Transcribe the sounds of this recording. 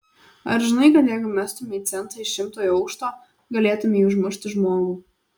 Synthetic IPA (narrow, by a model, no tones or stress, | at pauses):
ɐ̰ɾʒʲɪnɐɪkɐt̪jɛɪɡʊmʲæst̪ʊmʲɛiːt̪sʲɛnt̪ɐɪʃʲɪmt̪oːjɐʊkʃt̪oː | ɡɐlʲeːt̪ʊmʲɛiːʊʒmʲɪʃʲt̪ʲɪʒmoːɡuː